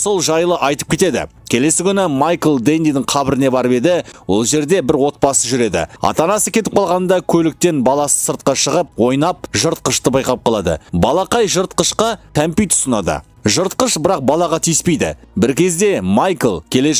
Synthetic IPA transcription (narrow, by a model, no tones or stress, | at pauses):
so̞lˠʒɑjlˠəʔɑjt̪ə̥p̚kʲe̞t̪e̞d̪ɪ̰ | kʲʰe̞le̞sɪkʲʏnɪmɑjkəlˠd̪ejnijd̪ɪŋqʰɑbɪɾɪne̞bɑɾəpe̞d̪ɪwo̞̰lˠʒe̞ɾd̪e̞bɪɾwo̞t̪̚pɑsəʒʏɾe̞d̪ɪ̰ɑ̰t̪ɑnɑsəkʲe̞t̪ɪp̚qʰɑlˠʁɑnənd̪ɑkʲʰɵlɪk̚t̪e̞nbɑlˠɑsə̥səɾt̪̚qɑʃəʁəp̚wo̞jnɑp̚ʒəɾt̪̚qəʃt̪əbɑjqɑp̚qɑlˠɑd̪ə̰bɑlˠɑqɑjʒəɾt̪̚qəʃqɑt̪ʰæmpijt̪ʰʊ̥sənɑd̪ə̰ | ʒəɾt̪̚qəʃbɪɾɑq̚bɑlˠɑʁɑt̪ʰijɪspe̞jd̪ɪ̰bɪɾkʲe̞zd̪e̞mɑjkəlˠkʲʰe̞le